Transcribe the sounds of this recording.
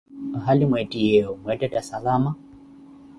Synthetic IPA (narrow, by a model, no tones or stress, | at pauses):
ɦalimwɛtʼijɛɔmwɛtɛtasalama